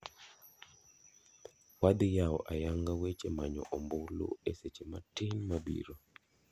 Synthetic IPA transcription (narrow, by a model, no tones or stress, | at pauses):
wad̪ɪjawɔ̰ʔajaŋɡawet͡ʃemaɲɔ̰ʔɔmbʊlo̰eset͡ʃematɪnmabḭɾo